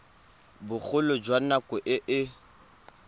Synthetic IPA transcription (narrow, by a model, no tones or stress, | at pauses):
bʊχʊlʊd͡ʒwanakʼʊʔɪʔɪ